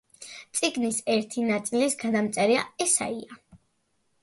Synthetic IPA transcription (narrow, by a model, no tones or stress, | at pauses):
t̪sʼiɡnisɛɾt̪ʰinat̪sʼilisɡad̪amt̪sʼɛɾia̰ɛsa̰ia